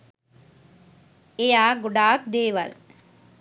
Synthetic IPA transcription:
ejaːɡʊɖaːk̚d̪eːʋɐ̰l

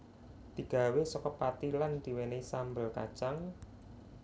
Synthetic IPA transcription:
d̪̥i̤ɡ̥a̤wesɔkɔpat̪iland̪̥i̤wenesambəlkat͡ʃaŋ

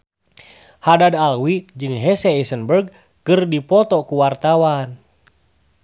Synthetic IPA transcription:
hadadalwid͡ʒɨŋɦɛsɛisənbərɡ̚ | kɨrdipɔt̪ɔkuwart̪awan

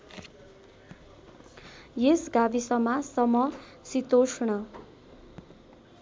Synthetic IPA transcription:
jesɡabisʌmːasʌmʌ | sit̪osnʌ

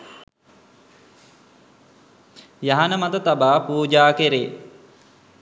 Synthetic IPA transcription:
jaɦanəmat̪ət̪abaːpuːd͡ʒaːkeɾeː

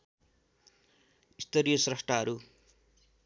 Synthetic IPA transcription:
ist̪ʌɾijʌsrʌsʈʰaɦʌɾu

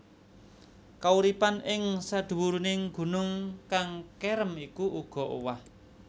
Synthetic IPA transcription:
kauɾipanɪŋsad̪̥ṳwuɾunɪŋɡ̥ṳnʊŋkaŋkɛɾəmikuʔuɡ̥ɔ̤ʔo̰wah

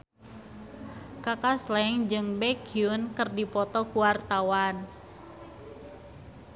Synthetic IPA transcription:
kakaslɛŋd͡ʒɨŋbɛkiʊnkərdipɔt̪ɔkuwart̪awan

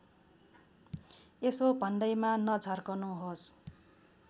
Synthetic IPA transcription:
esobʱʌnɖʌjmanʌd͡zʱarkʌnuɦos

